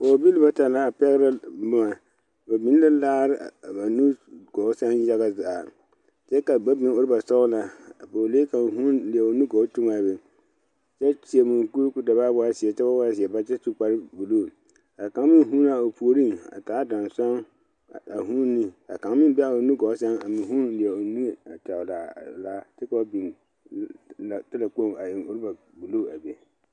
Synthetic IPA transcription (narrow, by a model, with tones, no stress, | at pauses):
o˨bi˦lɨ˦ba˦ta˨la˦a˨pɛ˦ɣɾa˦bʊ˦ma˨ | ba˨bi˨˦la˦laː˦ɾɪ˦˨a˨ba˨nu˦ɡ̥ɔ˨˦sa˦ja˦ɣa˦za˨ | t͡ʃɛ˦ka˨ba˦bi˨˦o˦ɾɨ˦ba˨sɔ˦la˨boː˨leː˦ka˨ɦu˦nli˨ɛ˨o˨nu˦ɡɔ˨˦tʊ˦ma˨bɛ˨ | t͡ʃɛ˦t͡ʃi˨e˨mi˨ŋku˦ɾku˦da˨ba˦ba˦si˨ɛ˨t͡ʃɛ˦ba˦wa˦s̬i˨ɛ˨ba˦t͡ʃɛ˦su˦k͡pa˦ɾɨ˦bu˨loː˦˨ | a˨kã˨˦ŋ˦mɪ̃˦n˦ɦu˦na˨o˨pu˨o˨˦ɾi˦ŋa̰˨taː˨˦da˨n˨sa˦ŋ | a˨ɦũ˦n˦nːi˦a̰˨kã˨ŋ˦mɪ̃˦m˦bɛ˦a˨o˨nĩ˦ɡɔ˨˦sɛ˦ŋa˨mɪ̃˨ɦũ˦nlɪ˨ɛ˨o˨nĩ˦ŋe˨a˨ta˨ʊ˨la˨la˦tɪ˦ka˨˦o˦bi˨n | la˨tɪ˦la˨k͡po˦˨ŋa˨jɪ˨ŋʊ˦ɾba˨ | bu˨lo˦˨a˨be˨